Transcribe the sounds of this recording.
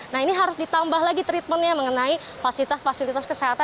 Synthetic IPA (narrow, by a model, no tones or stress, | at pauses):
nahiniɦaɾʊsdit̪ambaɦlaɡit̪ɾit̪̚mənjaməŋənai | fasilit̪asfasilit̪askəseɦat̪a